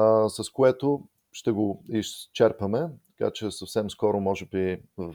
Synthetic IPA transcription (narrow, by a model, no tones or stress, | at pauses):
sɐskoɛt̪o | ʃt̪ɛɡoist͡ʃɛɾpɐmɛt̪ɐ̥ka̰t͡ʃɛsɐfsɛmskɔɾʊmɔʒɛbivɐ